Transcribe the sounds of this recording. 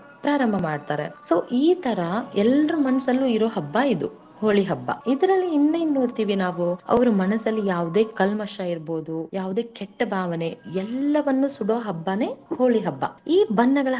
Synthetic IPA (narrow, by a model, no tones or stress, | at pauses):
pɾaːɾɐmbʱɐmaːɖt̪aːɾḛso̞ːʔiːt̪ɐɾɐɛlɾumɐnɐsɐlːuiɾo̞ːɦɐbːaid̪ṵ | hoːɭiɦɐbːɐ̰id̪ɐɾɐlːiːnːejnnoːɖt̪iːʋinaːʋuɐ̰ʋɐɾumɐnɐsɐlːijaːʋud̪e̞ːkɐlmɐʃɐiɾboːd̪ujʔaːʋud̪e̞ːkeʈːɐbʱaːʋɐne̞ɛlːɐʋɐnːusuɽoːɦɐbːɐne̞ːhoːɭiɦɐbːɐ̰iːbɐnːɐɡɐɭɐ